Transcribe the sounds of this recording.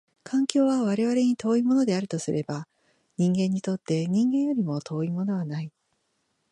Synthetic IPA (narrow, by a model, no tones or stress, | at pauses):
kʰãŋkʲo̞ːβaβaɾe̞βaɾe̞ɲ̟it̪o̞ːimo̞no̞d̪e̞aɾɯ̟t̪o̞sɨɾʔe̞ba | ɲ̟ĩŋɡẽ̞ɲ̟ːit̪o̞t̪ːe̞ɲ̟ĩŋɡẽ̞ɰ̃jo̞ɾʲimo̞t̪ʰo̞ːimo̞no̞βanai